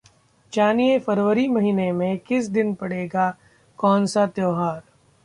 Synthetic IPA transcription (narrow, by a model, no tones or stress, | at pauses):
d͡ʒaːniefɐɾʋəɾimɐɦiːnemẽkɪs̬d̪ɪnpɐɽeːɡa | kɔːnsat̪joːɦaːɾ